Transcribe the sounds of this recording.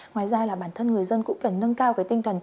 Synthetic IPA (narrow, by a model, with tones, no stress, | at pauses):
ŋwaː˨˩jzaː˧laː˨˩ɓaː˧˩nt̪ʰə˧nŋɨ˨˩əjzə˧nkʊ̰˧˥ŋ͡mkə˨˩nːə˧nkaː˧wkaː˨˦jt̪ï˧ŋ̟t̪ʰə˨˩n